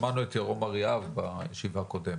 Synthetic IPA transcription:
manuet̪jaʁomaʁijavbajeʃivako̞dem

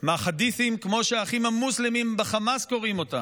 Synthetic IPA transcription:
maχad̪iθimkmo̞ʃeaχimamuslimimbeχamasko̞ʁimo̞ta̰

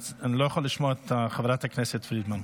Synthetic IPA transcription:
ɪnlˠoɪχɔlˠɪʃmɔtaχavɾataknɛsətfɾiːdman

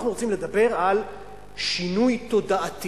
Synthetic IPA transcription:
χnuʁo̞t͡simle̞d̪abe̞ʁal | ʃinujt̪o̞daʔat̪i

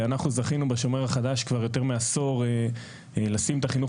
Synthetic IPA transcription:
anaχnuzaχinubaʃo̞meʁaχad̪aʃkvaʁjo̞t̪e̞ʁmeaso̞ʁ | lasimt̪aχinuχ

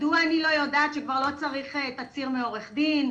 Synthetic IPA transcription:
duaːnilo̞jo̞daːt̪ʃekvaʁlo̞t͡saʁiχet̪at͡siʁmeo̞ʁeχd̪in

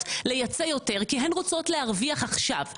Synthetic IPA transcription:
tle̞jat͡sejo̞te̞ʁkiɦenʁot͡so̞tleaʁviaχaχʃav

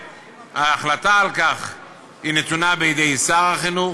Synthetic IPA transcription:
haːχlat̪aːlkaχ | inet̪unabejid̪ejsaʁhaχinu

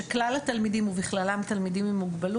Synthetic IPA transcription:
eklalat̪almidimuviχlalamat̪almidimimuɡbalu

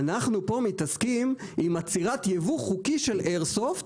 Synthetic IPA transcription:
naχnupo̞mit̪askimimat͡siʁat̪jevuχukiʃe̞lʔeʁsoft

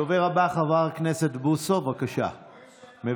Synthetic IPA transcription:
oveʁabaχavaʁknese̞t̪busovakaʃa̰ | me

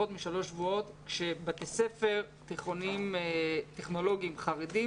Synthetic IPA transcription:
ot̪miʃalo̞ʃvuo̞tkʃebat̪ese̞fe̞ʁ | t̪iχonimteχno̞lo̞ɡiimχaʁedi

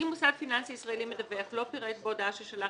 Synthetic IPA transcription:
imusad̪finansiisʁaelimed̪aveaχlo̞piʁet̪̚bod̪aaʃeʃala

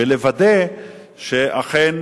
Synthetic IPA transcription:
elevad̪e | ʃeʔaχen

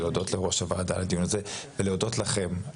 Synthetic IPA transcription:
eod̪o̞tleʁo̞ʃavad̪aled̪ijunazeveleodo̞tlaχem

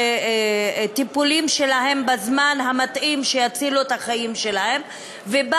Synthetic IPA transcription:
t̪ipulimʃe̞laɦe̞mbazmanɦamat̪ʔimʃejat͡siluet̪haχaimʃe̞lahe̞m | veb

